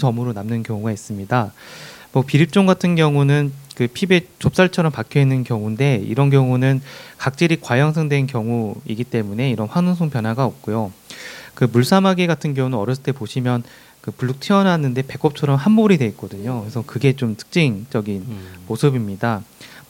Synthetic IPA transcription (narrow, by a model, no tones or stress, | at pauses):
t͡ɕʌmɯɾonamnɯnkjʌŋuɡais͈ɯmɲidamʌpiɾip̚t͡ɕ͈oŋɡatʰɯnɡjʌŋunɯnkɯpʰibet͡ɕop̚s͈aɭt͡ɕʰʌɾʌmpakʰjoinːɯnkjʌŋunde̞ḭɾʌnkjʌŋunɯnkak̚t͡ɕ͈iɾikwajʌŋsʰɯŋdwe̞nkjʌŋuiɡit͈e̞mune̞iɾʌnɸwanɯŋs̬ʰoŋpjʌnɦaɡaʌp̚k͈ujo | kɯmuɭs͈ʰamaɡiɡatʰɯnɡjʌŋunɯnʌɾjʌs̬͈ʰɯ̥t͈epoɕʰimjʌn | kɯpuɭːuk̚tʰiʌnanːɯnde̞pe̞k͈ʌp̚t͡ɕʰʌɾʌmɦanboɾidwe̞it̚k͈ʌdɯɲokesʰʌkɯɡe̞t͡ɕomtʰɯ̥k̚t͡ɕ͈iŋt͡ɕʌɡinmosʰɯbimɲida